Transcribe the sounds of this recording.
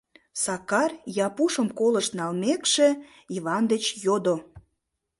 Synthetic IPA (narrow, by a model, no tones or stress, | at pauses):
sɑkɑrjɑpuʃəmkoləʃt̪nɑlmekʃe | iβɑnd̪ət͡ɕjod̪o